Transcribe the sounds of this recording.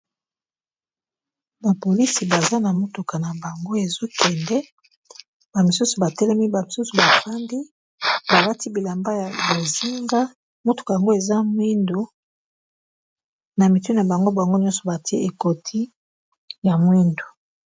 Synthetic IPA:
ba˨po˨li˦si˨ba˨za˦na˨mo˦to˨ka˨na˨ba˨ŋɡo˦e˨zo˦kɛ˨ndɛ˦ | b̥a˨mi˨su˦su˨ba˨tɛ˦lɛ˦mi˦ba˨mi˨su˦su˨ba˨fa˦ndi˦ | ba˨la˦ti˦bi˨la˨mba˦ja˨bo˨zi˦ŋɡa˦ | mo˦to̥˨ka˨ja˨ŋɡo˦e˨za˦mwi˦ndo˨ | na˨mi˨tu˦n˨a˨ba˨ŋɡo˦ba˨a˨ŋɡo˦ɲɔ̃˦nsɔ̥˨ba˨ti˦e˦ʔe˨ko˨tʰi˦ | ja˨mwi˦ndo˨

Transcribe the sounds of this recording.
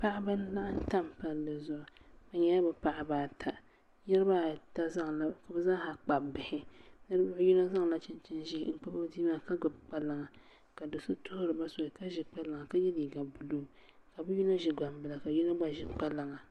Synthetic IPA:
pa˦ʔa˦ba˦n˦la˦ʔa˦n˦ta˦mpa˦lːɨ˨zʊ˨ʔʊ˨ba˦ɲɛ˦a˦bɨ˨pa˨ʔa˨baː˨tʰa˨ | jɛ˦ɾɨ˦baː˦ta˦za˦ŋla˨ka˨bɨ˦zaː˦ha˨k͡pa˨bbɪ˨hɪ˦nɨ˦ɾɨ˦bʊ˦ʔju˦na˦za˦ŋla˦t͡ʃɪ˦nt͡ʃɛ˦nʒḭ˦˨ŋ͡m̩˦k͡pa˦bo˦diː˦maː˦ka˦ɡʊ˨bk͡pa˦lɨ˦ŋa˨ | ka˨do˨sɨ˦tʊ˦hʊ˦ɾɨ˨ba˦so˨ɪ˨ka˦ʒɪ˨k͡pa˦lɨ˨ŋa˨ka˦jɛ˦li˨ɡa˨bu˨luː˦ka˨bɨ˦ju˦na˦ʒɪ˨ɡ͡ba˨mbɨ˨la˨ka˨ju˦na˦ɡ͡ba˦ʒɪ˨k͡pa˦la˨ŋa˨

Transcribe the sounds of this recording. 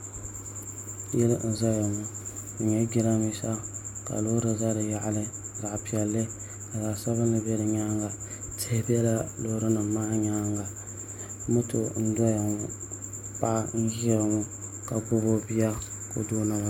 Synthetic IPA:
jɛ˦ln̩˨za˦ja˨ŋʊ˦ | n̩˨ɲɛ˦ɡɪ˦la˦mi˦sa˦ka̰˨lo˦ɾɨ˨za˦ɾɨ˨ja˦˨ʔlɨ˦ | za˨ʔpi˨ɛ˨lːɨ˦ | a˨za˨sa˦βɨ˦nː˦ɨ˦bɛ˦ɾɨ˨ɲaː˦ŋɡa˨ | tɪ˦bi˦ɛ˦la˦loː˨˦ɾɨ˦nɨ˨maː˦ɲa˦ŋɡa˨ | mʊ˦to̰˨n̩˦dɔ˦ja˨ŋʊ˦ | pa˦ʔn̩˦ɡi˦ɾa˨ŋʊ˦ | ka˨bo˦bo˦bi˦ja˦ | ko̰˦doː˦na˨a˦˨

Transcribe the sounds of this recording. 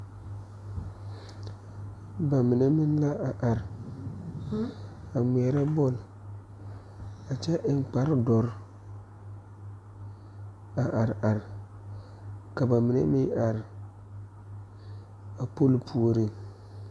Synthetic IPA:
ba˨mi˨ne˦mi˦n˦la˦a˨ʔa˨ɾ | a˨mɛ˨ɛ˨ɾa˦bɔ˦˨l | a˨t͡ʃɛ˦ʔɪ˨ŋ͡mk͡pa˨˦ɾdɔ˨ɾ | a˨ʔa˨ɾa˨ɾ | ka˨ba˨mi˨nḛ˦mi˦ʔa˨ɾ | a˨po˦lpʰu˦o˦˨ɾi˦

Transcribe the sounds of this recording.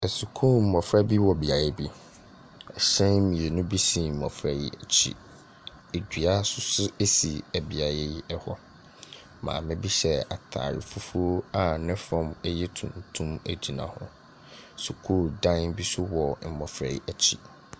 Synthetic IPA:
ɛ˨su˨kʰuː˦m̩˨mɔ̃˨fɾa˦bi˦wɔ˨bi˨a˨jɛ˦bi˦ | ɛ˨ɕɛ̃˦mĩ˨e˨nʊ̃˦bi˦si˦˨m̩˨mɔ̰˨fɾa˦ji˦æ˨t͡ɕʰḭ˦ | e˨d͡ʑᶣɥa˦sʊ˦sʊ˦e˦si˨æ˨bi˨a˨jɛ˦ji˦ɛ˦hɔ˦ | mã̰ː˨mɪ̃˦bi˦ɕɛ˦a˨tʰa̰ː˨ɾɪ̰˨fu˦fu˦o˦a˨nɪ̃˦fɔ̃˨mɛ˦jɛ˦tʰṵ̃˨ntʰũ˦mæ˨d͡ʑi˨nã̰˨hʊ̰̃˦ | su˨kʰu˦dã˦n˦bi˦sʊ˦wɔ˨m̩˨mɔ˨fɾa̰˨i˨ʔæ˨t͡ɕʰḭ˦

